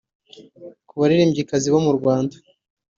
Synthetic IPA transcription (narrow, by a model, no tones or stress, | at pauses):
kuβaɾiɾeːmɟikaziβo̞muɾɡwaːndḁ